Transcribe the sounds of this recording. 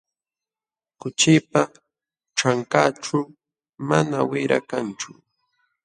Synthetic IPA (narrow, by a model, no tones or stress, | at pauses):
kʊt͡ʃɪpa | ʈ͡ʂaŋkaʈ͡ʂʊ | manawɪɾa̰kant͡ʃʊ